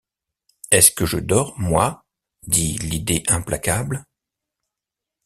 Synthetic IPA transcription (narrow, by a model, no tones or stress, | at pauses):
ɛskəʒəd̪ɔʁmwa | d̪ilid̪eʔɛ̃plʔakʲabl